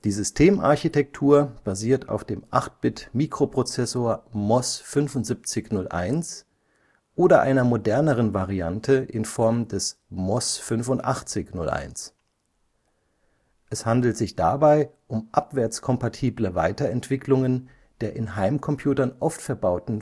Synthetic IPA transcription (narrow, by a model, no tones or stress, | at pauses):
d̥iːzʏstʰeːmʔa̰ɐçitʰɛk̚tʰuːɐb̥aziːɐtʰa̰ʊfd̥eːmʔaχt̚b̥ɪtmiːkʁ̥opʁ̥ot͡sɛsoːɐmɔsfʏnfʊntz̥ip̚t͡sɪçnʊlʔa̰ɪns | ʔoːdɐʔa̰ɪnɐmodɛɐnəʁənvaʁiantʰəʔɪnfɔɐmdɛsmɔsfʏnfʊntʔa̰χt͡sɪçnʊ̰lʔa̰ɪns | ʔɛshandl̩tz̥ɪçd̥a̰baɪʔʊmʔapv̥ɛɐt͡skʰɔmpatʰiːbləva̰ɪtɐɛntv̥ɪklʊŋən | d̥eːɐʔɪnɦaɪmkʰɔmpʰjuːtɐnʔɔftfɛɐbaʊtn̩